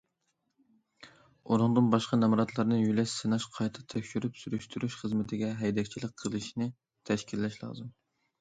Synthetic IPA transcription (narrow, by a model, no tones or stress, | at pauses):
oɾʊŋd̪ɨnbɑʃqɑnɛmɾɑt̪ʰlˠɑɾnɨjylɛʃsɨnɑʃqʰɑjt̪ʰɨ̥t̪ʰɛkʲʃyɾypsyɾyʃt̪ʰyɾyʃχəzmɪt̪ʰɪɡʲɛɦɛjd̪ɛkʲt͡ʃʰilɪk̚ʲqʰəlˠɨʃnɪ | t̪ʰɛʃkʲilːɛʃlˠɑ̰ːzɨm